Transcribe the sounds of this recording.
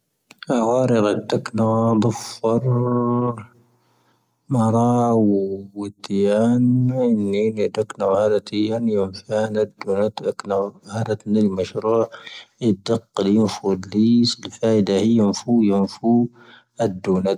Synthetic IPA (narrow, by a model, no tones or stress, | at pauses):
ʔaɣaːɾɪɣat̪ːaknad̪ˤɨfːɑɾˤ | mɑɾˤɑwwɪt̪jaːnɪnːinid̪aknahaɾat̪ijːanjamfaːnad̪ːuːnat̪ʔaknahaɾat̪nalmaʃɾuːʕɪd̪ːɑqːljɪnfuliːsilfaːʔɪd̪ahijːanfujanfu | ad̪ːuːnat̪̚